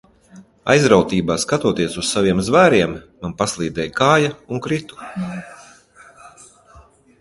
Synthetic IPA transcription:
a̰jzɾawt̪iːbaːskat̪uɔt̪iɛsussaviɛmzvæːɾiɛmː | anpaslˠiːd̪ɛjkaːjauŋkɾit̪u̥

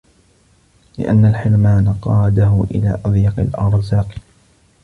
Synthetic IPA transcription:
lɪ̰ʔa̰nːalħɪɾmaːnaqɑːd̪aɦʊʔɪ̰la̰ːʔɑðˤjɑqɪlʔɑɾˤzaːq

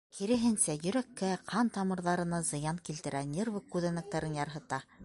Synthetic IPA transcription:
kʰiɾɘ̆ɦɘnsæjɵ̆ɾækːæqʰɑnt̪ɑmɤ̆ɾðɑɾɤ̆nɑzɤ̆jɑnŋkilt̪ɘ̆ɾʔænʲervɤkːʉðænæk̚t̪æɾɘnjɑɾɦɤ̆t̪ɑ

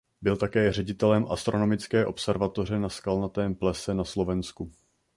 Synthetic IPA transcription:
bɪlt̪akɛːr̝ɛɟɪt̪ɛlɛmʔa̰st̪ɾo̞no̞mɪt͡skɛːʔo̞psɛɾvat̪o̞r̝ɛnaskalnat̪ɛːmplɛsɛnaslo̞vɛnsku

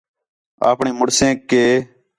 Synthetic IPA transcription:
a̰ːpɳẽːmʊɽsẽːkeː

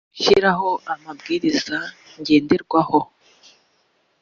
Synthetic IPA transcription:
ʃḭɾaɦo̞ʔamabɡiːɾiz̥a | ɲɟe̞ːndeɾɡwaho

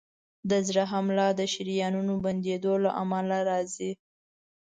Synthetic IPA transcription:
d̪əzɽaɦamlɑd̪əʃɪɾijɑnunoband̪ed̪olaʔamalaɾɑzi

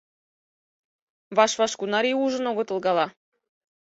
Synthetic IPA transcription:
vɑʃvɑʃkunɑɾʲijuʒə̆noɡŏt̪ɤ̆lˠɡɑlˠɑ

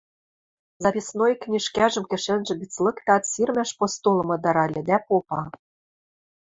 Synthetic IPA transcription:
zɑpʲisnojknʲiʃkæʒɘ̆mkɘ̆ʃĕnʒɘ̆bit͡slɤ̆kt̪ɑt̪sirmæʃpost̪ulɤ̆mɤ̆d̪ɑɾɑlʲɘ̆d̪æpopɑ

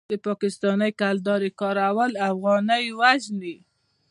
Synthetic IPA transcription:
d̪əpɑkɪst̪ɑnəjkald̪ɑɾekɑɾawəlafɣɑnəjwaʒni

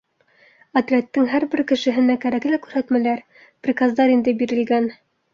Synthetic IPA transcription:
ɐt̪rʲet̪ːɘŋɦæɾbɘɾkɘ̆ʃɘ̆ɦɘ̆nækæɾæklækʉɾhæt̪mælæɾ | prʲikazd̪ɑɾind̪ɘbiɾɘ̆lɡæn

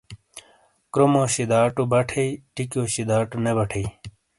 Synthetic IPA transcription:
kɾomoɕid̪aːʈubɐʈʰeiʈikjoːɕid̪aːʈunebɐʈʰei

